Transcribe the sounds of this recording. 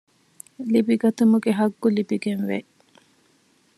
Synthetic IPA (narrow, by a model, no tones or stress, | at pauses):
libiɡɐt̪umuɡeɦɐɡːulibiɡenʋe